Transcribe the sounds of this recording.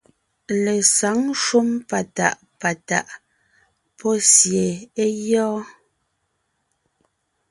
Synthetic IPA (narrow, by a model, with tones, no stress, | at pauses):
le˨sa˨˦ŋʃu˦mpa˨ta̰˨ʔ | pa˨ta̰˨ʔ | pʰɔ˦sje˨e˦jɔː˦